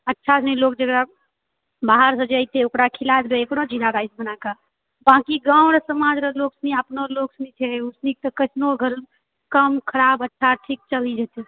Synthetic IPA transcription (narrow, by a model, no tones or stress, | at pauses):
ətːʃʰasʰnɛilok̚d͡ʒəɡɾa | baɦəɾsə̃d͡ʒajt̪ʰeokɾakʰilat̪beekɽod͡ʒiɾaɾajsbənaka | bãkiɡãwɽsəmad͡ʒɾəloksniəpnoloksnit͡ʃʰɛusnik̚t̪əkət͡ʃʰnoɡʱəɾ | kəmkʰəɾabətːʃʰaʈʰik̚t͡ʃəlid͡ʒɛt̪e